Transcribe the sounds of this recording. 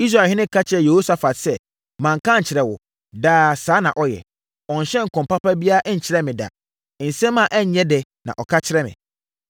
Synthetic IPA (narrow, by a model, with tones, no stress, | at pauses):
i˦s̬ɾa˨hɪ̃˦nɪ̃˦kʰa˦t͡ɕʰɪ˦ɾɛ˦je˨ho˦sa˨fa˨tsɛ˦ | mã˨ŋ̩˨kʰã˦ɲ̩˨t͡ɕʰɪ˨ɾɛ˨wʊ̰˨ | daː˦˨saː˨˦nã˨ʔɔ˦jɛ̰˨ | ɔ̃˨ɲ˨ɕɛ̃˦ŋ̩˨kɔ̃˨m˨pa˦pa˦bi˦a˦ʔɲ̩˨t͡ɕʰɪ˦ɾɛ˦mɪ̃˨da̰˨ | n̩˨sɛ̃˦mːã˨ʔɛ˦ɲ˨˦ɲɛ̃˦dɛ˨nã̰˨ʔɔ˨kʰa˦t͡ɕʰɪ˦ɾɛ˦mɪ̰̃˨